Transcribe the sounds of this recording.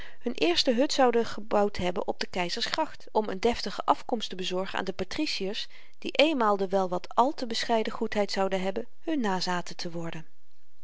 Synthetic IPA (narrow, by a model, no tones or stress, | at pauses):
hɵnʔɪːɹstəɦɵtsɑwdəχəbɑwtɦɛbənʔɔb̚dəkɛjzəɹsχrɑχtɔmə̰ndɛftəχəʔɑfkɔmstəbəzɔɹχəna̰ːndəpatrisiəɹs | d̥iʔejnmaːlˠdəʋɛlˠʋɑtʰɑlˠtəbəsχɛjdəχutɦɛjtsɑwdənɦɛbən | hɵnːaːzaːtətʰəʋɔɹdən